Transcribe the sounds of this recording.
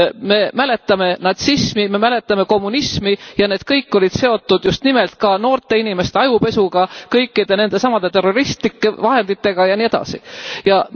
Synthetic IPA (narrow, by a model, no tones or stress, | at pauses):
me̞mæle̞t̪ːˑɑme̞nɑt̪sismime̞mæle̞t̪ːˑɑme̞ko̞mːunismijɑne̞ːd̪̥̚kɤjkːo̞lid̪̥se̞o̞t̪ːud̪̥just̪nimelt̪̚kɑno̞ːrt̪ːˑe̞inime̞st̪e̞ɑjupe̞suɡ̥ɑkɤjkːˑid̪̥e̞ne̞nd̪e̞sɑmɑd̪̥e̞t̪e̞ro̞ɾist̪likːevɑɦe̞nd̪̥it̪ːe̞ɡ̥ɑjɑnie̞d̪ɑ̰sḭjɑ